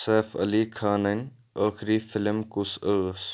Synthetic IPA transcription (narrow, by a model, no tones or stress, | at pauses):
sɛːfɐ̰liːkʰaːnən | aːxɾiːfɪlmkʊsəs